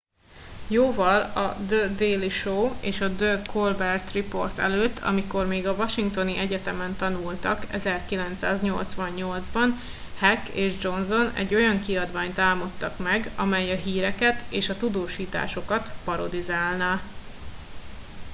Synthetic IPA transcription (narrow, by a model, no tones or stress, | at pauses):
joːvɒlɒ̰d̪ød̪eːliʃoːeːʃɒd̪økʰolbɛrt̪ripo̞̰rt̪ɛ̰løːt̪ʰːɒ̰miko̞rmeːɡɒvɒʃiŋk̚t̪o̞niʔɛɟɛt̪ɛmɛnt̪ɒnult̪ɒkɛ̰zɛrkilɛnt̪sa̰ːzɲo̞lt̪sʋɒɲɲo̞ld̪zbɒn | hɛkːḛːʒd͡ʒo̞nzo̞nɛ̰ɟːo̞jɒŋkiɒd̪vaːɲt̪aːmot̪ːɒkmɛɡɒmɛjɒɦiːɾɛkɛt̪eːʃɒt̪ud̪oːʃiːt̪a̰ːʃo̞kɒt̪pɒɾo̞d̪izaːlna